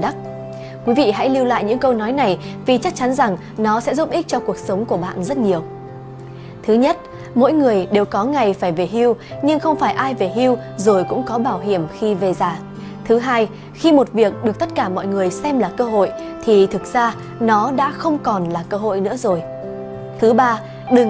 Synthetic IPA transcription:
ɗa˦˥k̚ | kwi˨˦vḭ˧˨ɦa̰˧˥jli˧wla̰ː˧˨jɲɨ̰˧˥ŋkə˧wnɔ˨˦jna˨˩jvi˨˩t͡ɕa˦˥k̚t͡ɕa˨˦nza˨˩ŋ | nɔ˨˦sɛ̰˧˥zu˦˥t̚ʔi˦˥k̚t͡ɕɔ˧ku˨˩ək̚sə˨˦wŋ͡mku˧˩əɓa̰ː˧˨nzə˦˥t̚ɲi˨˩əw | t̪ʰɨ˨˦ɲə˦˥t̚ | mo̰˧˥jŋɨ˨˩əjɗe˨˩wkɔ˨˦ŋa˨˩jfaː˧˩jve˨˩ɦi˧wɲɨ˧ŋxə˧wŋ͡mfaː˧˩jʔaː˧jve˨˩ɦi˧w | zo˨˩jkʊ̰˧˥ŋ͡mkɔ˨˦ɓaː˧˩wɦi˧˩əmxi˧ve˨˩zaː˨˩ | t̪ʰɨ˨˦ɦaː˧j | xi˧mo˨˩t̚vi˨˩ək̚ɗɨ˨˩ək̚t̪ə˦˥t̚kaː˧˩mɔ̰˧˨jŋɨ˨˩əjsɛ˧mlaː˨˩kəː˧ɦo̰˧˨j | t̪ʰi˨˩t̪ʰɨ˨˩k̚z̥aː˧ | nɔ˨˦ɗa̰ː˧˥xə˧wŋ͡mkɔ˨˩nlaː˨˩kəː˧ɦo̰˧˨jnɨ̰˧˥əzo˨˩j | t̪ʰɨ˨˦ɓaː˧ | ɗɨ˨˩ŋ

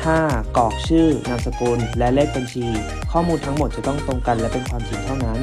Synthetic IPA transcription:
t̪ʰaː˥˩kɔː˨˩k̚t͡ɕʰɯː˥˩na˧msa˧kuː˧nlɛ˦˥leː˥˩k̚ba˧nt͡ɕʰiː˧ | kʰɔː˥˩muː˧nt̪ʰa˦˥ŋmo˨˩t̪̚t͡ɕa˨˩t̪ɔ˥˩ŋt̪o˧ŋka˧nlɛ˦˥pe˧nkʰwaː˧mt͡ɕʰi˧nt̪ʰa˥˩na˦˥n

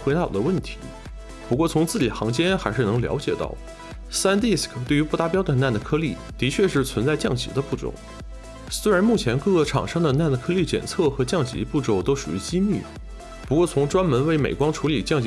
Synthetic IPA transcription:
xwe˧˥ɪt̪ɑ˨˩d̪ə˦wə˥˩nt̪ʰi˧˥ | pu˧˥kwɔ˥˩t͡sʰʊ˧˥ŋt͡sɹ̩˥˩t͡ɕi˨˩xɑ̰˧˥ŋt͡ɕjɛ˥nxa˧˥ɪʂɻ̩˥˩nɤ˧˥ŋljɑ̰˧˥ʊ̯t͡ɕjɛ˨˩t̪ɑ̰˥˩ʊ | sa˥nt̪i˥˩skʰt̪we˥˩ɪy˧˥pu˥˧t̪a˥˩pjɑ˥d̪ə˨na˥˩nd̪ə˩kʰɤ˥li˥˩ | t̪i˧˥t͡ɕʰɥɛ˥˧ʂ̬ɻ̩˥˩t͡sʰwə˧˥nt͡sa˥˧ɪt͡ɕjɑ˥˩ŋt͡ɕi˧˥d̪ə˧pu˥˩ʈ͡ʂʊ̰˨˩˦ʊ | swe˥ɪɻa˧˥nmu˥˩t͡ɕʰjɛ˧˥nkɤ˥˧ɤ˥˩ʈ͡ʂʰɑ̰˨˩ŋʂɤ˥ŋd̪ə˨na˥˩nd̪ə˩kʰɤ˥li˥˩t͡ɕjɛ̰˨˩nt͡sʰɤ˥˩xɤ˧˥t͡ɕjɑ˥˩ŋt͡ɕḭ˧˥pu˥˩ʈ͡ʂo˥˩ʊt̪o˥ʊʂṵ˨˩y˧˥t͡ɕi˥my̰˥˩ | pu˧˥kwɔ˥˩t͡sʰʊ˧˥ŋʈ͡ʂwa˥nmə˧˥nwe˥˩ɪmḛ˨˩ɪkwɑ˥ŋʈ͡ʂʰu˧˥li˨˩t͡ɕjɑ˥˩ŋt͡ɕ

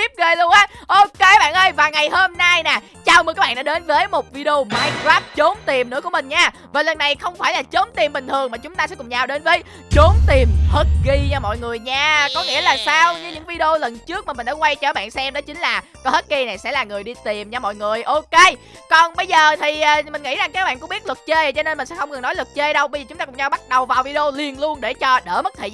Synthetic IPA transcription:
t̪i˦˥p̚ɣəː˨˩jlʊ˧əŋʔaː˨˦ʔo˧ke˧ɓa̰ː˧˨nʔə˧jvaː˨˩ŋa˨˩jhəː˧mna˧jnaː˨˩ | t͡ɕaː˨˩wka˦˥ɓa̰ː˧˨˧ɗaː˧˥˦ɗe˨˦nvəː˨˦jmo˨˩t̚vi˧i˧o˧maː˧jkɾaː˦˥p̚t͡ɕo˨˦nt̪i˨˩mnɨ̰˧˥ku˧˩əï˨˩ŋ̟ɲaː˧ | vaː˨˩lə˨˩nːa˨˩jxə˧wŋ͡mfaː˧˩jlaː˨˩t͡ɕo˨˦nt̪i˨˩mɓï˨˩ŋ̟t̪ʰɨ˨˩əŋmaː˨˩t͡ɕʊ˨˦ŋ͡mt̪aː˧sɛ̰˧˥kʊ˨˩ŋ͡mt͡ɕaː˨˩wɗe˨˦nvəː˨˦j | t͡ɕo˨˦nt̪i˨˩mhə˦˥t̚ɣi˧ɲɔ˧mɔ̰˧˨jŋɨ˨˩əjɲaː˧kɔ˨˦ŋḭ˧˥əlaː˨˩saː˧wɲɨ˧ɲɨ̰˧˥ŋvi˧ɗe˧o˧lə˨˩nt͡ɕɨ˦˥k̚maː˨˩ï˨˩ŋ̟ɗaː˧˦kwa˧jt͡ɕəː˧˩˦ɓa̰ː˧˨nsɛ˧mɗɔ˨˦t͡ɕï˨˦ŋ̟laː˨˩kɔ˨˦hə˦˥t̚ɣi˧na˨˩jsɛ̰˧˥laː˨˩ŋɨ˨˩jɗi˧t̪i˨˩mɲa˧mɔ̰˧˨jŋɨ˨˩əjʔo˧ke˧ | kɔ˨˩nɓə˧jzəː˨˩t̪ʰiː˨˩˨mï̟˨˩ŋḭ˧˥za˨˩ŋt͡ɕəː˧˦˥ɓa̰ː˧˨kʊ̰˧˥ŋ͡mɓi˦˥t̚lə˨˩t̚t͡ɕe˧˨˩t͡ɕɔ˧ne˧nmï̟˨˩sɛ̰˧˥xə˧wŋ͡mŋɨ˨˩ŋnɔ˨˦jlɨ˨˩t̚t͡ɕe˧jɗə˧wɓə˧jzəː˨˩t͡ɕʊ˨˦ŋ͡mt̪aː˧kʊ˧˥ŋ͡mɲaː˧wɓa˦˥t̚ɗə˨˩wvaː˨˩wvi˧ɗe˧o˧li˨˩ənlu˧ənɗe˧˩t͡ɕɔ˧ɗəː˧˩mə˦˥t̚t̪ʰə̰˧˨

